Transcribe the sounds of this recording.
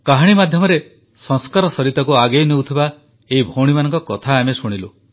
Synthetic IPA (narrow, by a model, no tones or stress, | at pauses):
kaɦaɽ̃imad̪ʱjɔmɔɾe | sɔŋskaɾɔsɔɾit̪ɔkuaɡejnewt̪ʰiba | eibʱoɽ̃imanɔŋkɔkɔt̪ʰaːmesuɽ̃ilu